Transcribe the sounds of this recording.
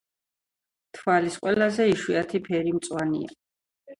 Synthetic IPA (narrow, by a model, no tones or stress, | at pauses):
t̪ʰvalisqʼwɛlazɛiʃwiat̪ʰipʰɛɾimt̪sʼwanḭa̰